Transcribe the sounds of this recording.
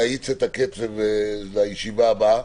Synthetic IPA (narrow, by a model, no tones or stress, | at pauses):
ajit͡set̪aket͡sevelajeʃivaːba